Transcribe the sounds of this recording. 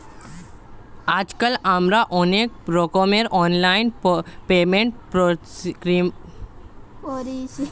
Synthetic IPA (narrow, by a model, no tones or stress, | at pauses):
aːd͡ʒkəlamɾaʔoneːk̚ɾoːkomeɾɔːnlaːɪnpeːmẽɳʈ̚pɾo | kɾim | ɾi